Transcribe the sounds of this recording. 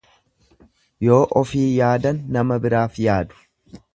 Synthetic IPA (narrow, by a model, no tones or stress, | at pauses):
jo̞ːʔɔfiːjaːd̪ɐnːɐmɐbɪɾaːfjaːd̪ʊ̥